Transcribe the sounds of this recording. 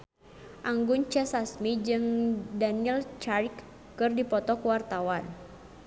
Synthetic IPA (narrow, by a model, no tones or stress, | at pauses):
ʔaŋɡunt͡ʃɛsasmid͡ʒɨŋdaniɛlt͡ʃarkː | ɨrdipɔt̪ɔkuwart̪awan